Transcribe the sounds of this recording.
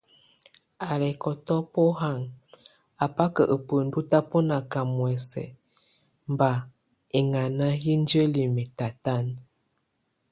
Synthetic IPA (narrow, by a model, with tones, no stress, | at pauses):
a˨lɛ˨kɔ˨tɔ˦po˦ɦa˦˨ŋ | a˨pa˦kə˨ʔə˨pə˨n̩˦du˦ta˦po˦na˨ka˨mwɛ˨sɛ̰˨ | m˨ba˨ | e˨ŋa˨na˦ji˦n˦d͡ʒə˦li˨mi˨ta˨ta˦˨n